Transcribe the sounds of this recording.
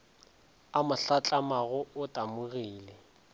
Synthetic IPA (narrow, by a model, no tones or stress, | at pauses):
amʊɬat͡ɬʼamaɣʊʊtʼamʊɣiːlɛ